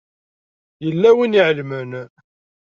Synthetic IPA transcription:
jəlːæwiniʕlmən

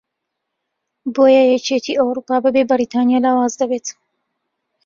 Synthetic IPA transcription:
boːjɛjɛt͡ʃet̪ʰiːʔɐwɾuːpaːbɨbebɨɾiːt̪ʰaːnijaːlaːwaːzd̪ɐbeːt̪

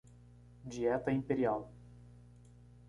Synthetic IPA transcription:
d͡ʒiɛt̪ɐĩmpeɾiaw

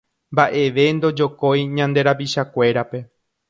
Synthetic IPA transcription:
mbaʔe̞ʋe̞nd̪o̞d͡ʒo̞ko̞jɲãnd̪e̞ɾapiʃakʷe̞ɾape̞

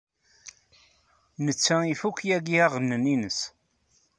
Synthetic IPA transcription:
nət͡sːæifukʷːjæɡiæʁənːəninəs

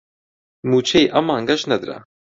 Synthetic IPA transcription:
mut͡ʃʰejʔɐmaːŋɡɐʃnɐd̪ɾa̰

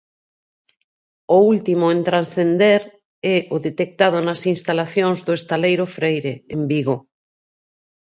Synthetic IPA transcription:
ʊult̪imʊẽnt̪ɾansθend̪eɾ | ɛʔʊðet̪ek̚t̪að̞ʊnɐsinst̪alaθjoŋzðʊest̪alejɾʊfɾejɾeembiɣo

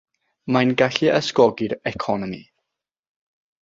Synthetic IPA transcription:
manɡaɬiəskɔɡɪɾɛkʰɔnɔmḭ

